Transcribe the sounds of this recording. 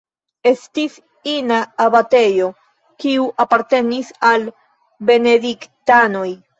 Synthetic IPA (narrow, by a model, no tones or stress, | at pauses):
e̞stis | inaːbate̞jo̞ | kiuʔapaɾte̞nisal | be̞ne̞diktano̞j